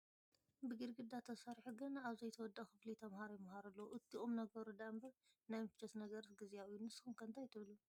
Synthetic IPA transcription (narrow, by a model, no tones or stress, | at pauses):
bɨɡɨɾɡɨd̪at̪ʰɐsaɾħuɡɨnaβzɐjt̪ʰɐwɔd̪ːɐxɨflit̪ʰɐmhaɾojɪmhaɾɐlːɐwuʔɨt̪ʰːiʔomnɐɡ̚bɐɾud̪ambɐɾ | najmɨfɨt͡ʃɐt̪nɐɡɐɾt̪ɡɨzijajːunɨsxumkʰɐnt̪ʰajt̪ʰɨβlu